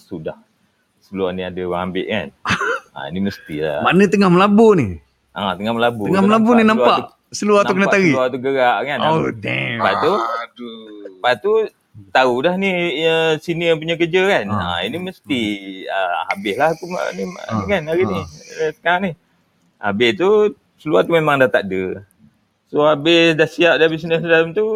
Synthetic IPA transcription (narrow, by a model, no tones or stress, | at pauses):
suda̰h | səluahniadəwaambɪ̰ʔ̚ka̰na̰ḭniməst̪ila̰manət̪əŋahməlabuni | ʔat̪əŋahməlabuəŋaməlabuninamapau | səluatnaukənaat̪aɣiluat̪uɡəɾaʔkannopat̪u | pat̪u | t̪audahniəsinəp̬uɲakəd͡ʒəkana̰ḭniməst̪iə̰a̰bɪhlahakumnikanaɾinisə̥kaaŋnih | a̰bɪht̪u | səluat̪umemaŋdaht̪aʔ̚də | soabɪhdahsiap̚daabɪsinəsdamt̪u